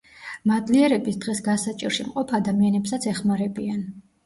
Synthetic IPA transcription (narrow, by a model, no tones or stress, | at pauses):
mad̪liɛɾɛbisd̪ʁɛsɡasat͡ʃʼiɾʃimqʼɔpʰad̪amianɛpsat̪sʰɛχmaɾɛbian